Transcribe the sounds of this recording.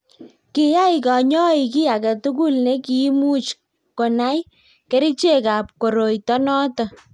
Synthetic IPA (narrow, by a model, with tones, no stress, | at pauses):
ki˨ja˦ikɔ˨ɲɔ˦i˨k̬i˦a˨kɛ˨tu˦ku˦lne˦ki˨˦mu˦t͡ʃ | ko˨na˦j | ke˦ɾi˦t͡ʃe˦ka˨p̚ko˨ɾo˨jtɔ˦nɔ˦tɔ˨